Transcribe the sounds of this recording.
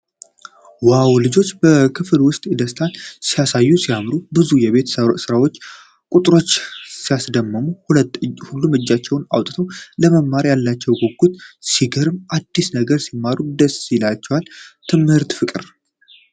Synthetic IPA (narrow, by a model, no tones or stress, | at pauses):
wawlɨd͡ʒo̞t͡ʃːb̥əkʰɨflwʊst̪ʼɨd̪əst̪ʰansijasajːusijamɾubɨzujɛβe̞t̪ʰssɨɾawo̞t͡ʃː | kʼut̪ʼɾo̞t͡ʃːsijasd̪əmːəmu | hulːumɨd͡ʒːat͡ʃːɛwna̰wt̪ʼt̪ʰəwləməmːaɾjalːat͡ʃːɛwɡo̞ɡːut̪siɡəɾɨmʔad̪ːisnəɡəɾsimːaɾud̪əsilat͡ʃːɛwalt̪ʰɨmhɨɾt̪fɨkʼɨɾ